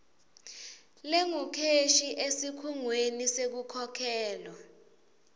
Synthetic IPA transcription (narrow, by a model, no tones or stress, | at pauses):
leŋukʰeʃiʔesikʰuŋwenisek̬ukʰɔkʰɛːlwa